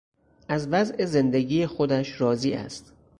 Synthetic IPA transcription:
ʔæzvæzʔe̞ze̞nd̪eɡiːjexod̪æʃɾɒːziːʔæ̰st̪

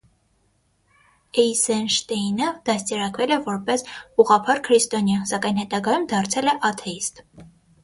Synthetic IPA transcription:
ɛjsɛnʃt̪ɛnəd̪̥ɑst̪ɛɾɑkvɛlɛvɔɾpɛsuʁɑpʰɑɾkʰɾist̪ɔnjɑnsɑkɑjnhɛt̪ɑɡɑjumd̪ɑɾt͡sʰɛlɛʔɑt̪ʰɛist̪

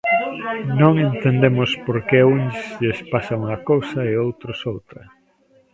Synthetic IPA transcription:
nõŋent̪end̪emʊspoɾkɛunʎespasɐuŋɐkowsɐeowt̪ɾʊsowt̪ɾɐ

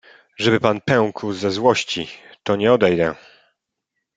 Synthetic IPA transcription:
ʐɛbɘpanpɛw̃kwzɛzwɔɕt͡ɕit̪ɔɲɛɔd̪ɛjd̪ɛ̰̃

